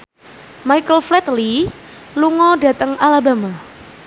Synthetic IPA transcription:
majkəlflɛt̪li | luŋɔdat̪əŋalabama

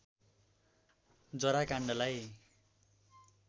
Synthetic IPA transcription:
d͡zʌɾakaɳɖʌlaj

